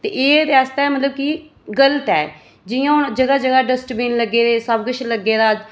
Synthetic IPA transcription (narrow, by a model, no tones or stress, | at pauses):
t̪ḛːʔeːɾeaːst̪aɛːmət̪ləb̚ki | ɡələt̪ɛː | d͡ʒɪjãːʊnd͡ʒəɡaːd͡ʒəɡaːɖəsʈbiːnləɡːeːd̪eːsəbkʊt͡ʃʰləɡːeːd̪aːd͡ʒ